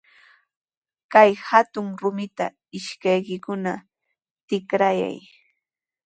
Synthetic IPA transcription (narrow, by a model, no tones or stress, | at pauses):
kajhat̪ʊŋɾʊmɪt̪a | ɪʃkajkɪkʊna | t̪ɪkɾaja̰j